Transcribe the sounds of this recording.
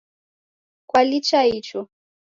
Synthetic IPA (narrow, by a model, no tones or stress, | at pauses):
kwalit͡ʃahit͡ʃɔ